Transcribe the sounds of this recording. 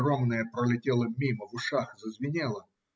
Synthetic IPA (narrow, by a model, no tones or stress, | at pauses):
romnəjəpɾəlʲɪtʲelˠəmʲiməvʊʂaxzəzvʲɪnʲelˠə